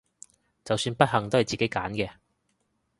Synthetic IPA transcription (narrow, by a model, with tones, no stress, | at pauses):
t͡sɐ˨wsyː˧npɐ˥t̚hɐ˨ŋt̪o˥whɐ˨˩jt͡siː˨ke˨˥jkaː˨˥nkɛː˧